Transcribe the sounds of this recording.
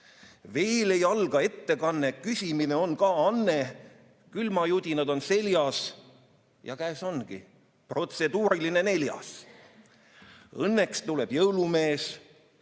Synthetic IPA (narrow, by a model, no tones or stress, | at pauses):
ve̞ːle̞jɑlɡ̥ɑe̞t̪ːe̞kɑnːekysʲimine̞o̞nkɑːɑnːe | kylmɑjut̪ʲinɑd̪̥o̞nse̞ljɑs | jɑ̰kæːso̞nɡḭ | pro̞t̪se̞d̪uːɾiline̞ne̞ljɑ̰s | ɤnːe̞kst̪ule̞b̥jɤwlume̞ːs